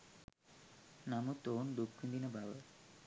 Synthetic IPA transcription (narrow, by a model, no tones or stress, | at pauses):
namut̪oːnɖ̪ukʰːund̪inɐbʱaʋə